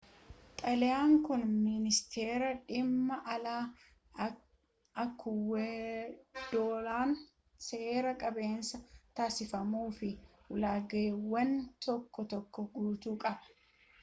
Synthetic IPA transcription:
t̪ʼɐlɛjaːŋkʊnmmɪnɪst̪ʰe̞ːɾɐᶑɪmːɐʔɐlaː | ɐkʰːʊwe | d̪̥oːlaːn | se̞ːɾɐkʼɐbe̞ːnsɐt̪aːsɪfɐmuːfɪ | ʊlaːɡɐwːɐnt̪ɔkːɔt̪ɔkːɔɡuːt̪uːkʼɐbɐ̥

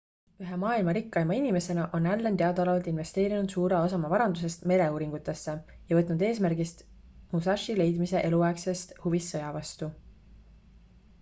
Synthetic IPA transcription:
yɦemɑːilmɑɾikːɑjmɑinime̞se̞nɑʔo̞nælːent̪eɑd̪ɑlɑvɑlt̪ˑinve̞st̪e̞ːɾinud̪̥suːɾeosɑmɑvɑɾɑnd̪us̬e̞st̪me̞le̞uːɾiŋɡ̥ut̪ːˑe̞sːe̞ | jɑvɤt̪ˑnud̪e̞ːsmærɡist̪ | musɑʃile̞jd̪mise̞ʔe̞luɑekse̞st̪huvisːɤ̞jɑvɑst̪u

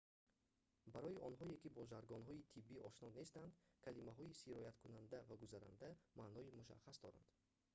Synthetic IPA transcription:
baɾɔiʔɔnɦɔekibɔd͡ʒaɾɡɔnɦɔit̪ʰibːiʔɔʃnɔne̞st̪and̪kʰalimaɦɔisiɾɔjat̪kʰunand̪avaɡuzaɾa̰nd̪amaːnɔimuʃa̰χːasd̪ɔɾa̰nd̪̥

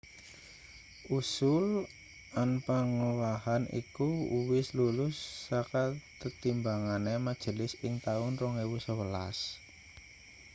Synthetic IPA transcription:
ʔusʊl | anpaŋuwahanḭkuuwɪslulʊsːakat̪ət̪imbaŋanemad̥ʒ̥ə̤lɪsɪŋt̪aʊnrɔŋewusəwəla̰s

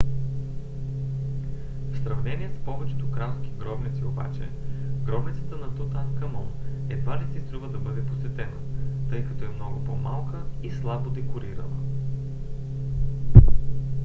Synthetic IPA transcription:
fsɾɐvnɛniɛspɔvɛt͡ʃɛ̥t̪okɾask̟i̥ɡɾɔbnit̪sioba̰t͡ʃɛ̰ɡɾɔbnit̪sə̥t̪ənɐt̪ut̪ankɐmɔnɛd̪valisist̪ɾuvəd̪ɐbɤd̪ɛposvɛt̪ɛnət̪ɤjkɐt̪ɔɛmnɔɡʊpoma̰lˠkəislˠabod̪ɛkʊɾiɾə̰lˠə̰

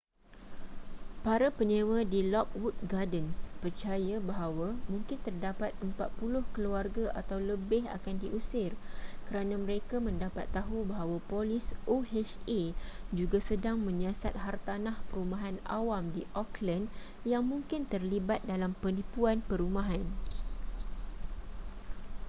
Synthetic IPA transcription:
paɾapəɲẽwadilɔk̚wut̚ɡadənspərt͡ʃajabaɦawamũŋkɪnt̪ərdapat̪̚əmpat̪̚pulʊhkəluarɡaʔa̰t̪awləbɪɦa̰kandiʔusɪrkəɾanãməɾekamə̃ndapat̪ːaɦubaɦawapolɪsoɦɛt͡ʃed͡ʒuɡasədaŋmə̃ɲãsa̰t̪̚ɦart̪anahpəɾumãɦana̰wamdiʔɔklən | jaŋmũŋkɪnt̪ərlibat̪̚dalampənĩpuanpəɾumãɦan

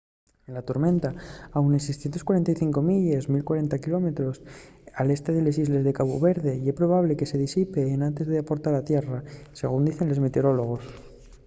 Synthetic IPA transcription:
lat̪oɾmẽ̞nt̪aawnensejsθjent̪okwaɾe̞nt̪ajθiŋko̞miʎesmilkwaɾe̞nt̪akilo̞me̞t̪ɾo̞sale̞st̪e̞ðe̞le̞s̬izle̞zðe̞kaβuβe̞ɾðe̞iespɾo̞β̞aβle̞ke̞se̞ð̞isipe̞ːnãnt̪e̞zðe̞apo̞ɾt̪aɾat̪je̞rase̞̰ɣ̞und̪iθe̞nle̞zmet̪eoɾo̞lo̞ɣ̞o̞s

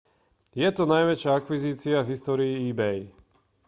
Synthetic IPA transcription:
jɛt̪ɔnajʋɛt͡ʃɪaakʋiziːt͡siavɦist̪ɔːɾiːiːbɛj

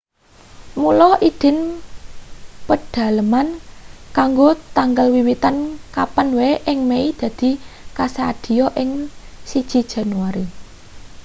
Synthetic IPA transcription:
mulɔʔid̪̥ɪ̤n | pəɖ̥a̤ləmankaŋɡot̪aŋɡəlwiwit̪ankapənweʔɪŋmeid̪̥ä̤d̪̥i̤kasaad̪̥i̤jɔʔɪŋ | sid̥ʒ̥i̤d̥ʒ̥a̤nuwaɾe

